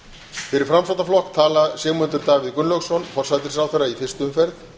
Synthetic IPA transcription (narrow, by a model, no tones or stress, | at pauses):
fɪɾɪɾ̥fɾamsɔwt̪aflɔhkt̪ʰaːlasjɛːmʏnt̪ʏɾt̪aːɣvɪðkʏnlœɣsɔnfɔr̥sajt̪ɪɾ̥sawθɛrːaifɪr̥st̪ʏʏmfɛɾð